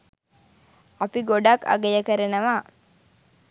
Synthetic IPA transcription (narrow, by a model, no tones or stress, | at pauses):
ɐpiɡoɖakɐ̰ɡejəkɐɾɐnɐʋaː